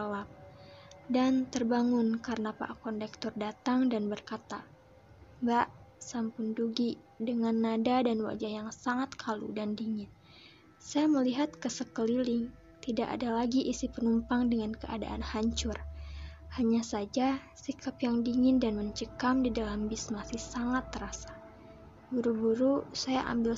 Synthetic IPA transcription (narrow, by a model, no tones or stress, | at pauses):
alap̚dant̪ərbaŋʊnkaɾənapa̰ʔkɔndɛk̚t̪ɔrdat̪aŋdanbərkat̪a | baʔsampʊnduɡi | dəŋanːadadanwa̰d͡ʒajaŋsaŋat̪kʰalṵdandiŋɪn | sajaməliɦat̪kəsəkəlilɪŋ | t̪idaʔa̰dalaɡiʔisipənumpaŋdəŋankəa̰da̰ʔanhaɲt͡ʃʊr | haɲasad͡ʒasikʰapjaŋdiŋɪndanməɲt͡ʃəkamdidalambɪsmasɪhsaŋat̪ːəɾasḁ | buɾubuɾusajaʔa̰mbɪl